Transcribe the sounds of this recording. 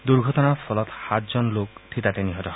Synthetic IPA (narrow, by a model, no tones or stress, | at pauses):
d̪uɹɡʱɔtɔnapʰɔlɔt̪hat̪̚zɔnlok̚tʰitat̪eniɦɔtɔ